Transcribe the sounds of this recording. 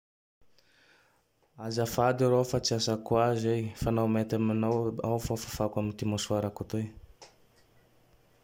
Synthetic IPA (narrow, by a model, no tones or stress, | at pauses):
azafad̪iɾofat͡siasakwazejfanamet̪aminaawfafafakwamint̪imoswaɾakut̪oj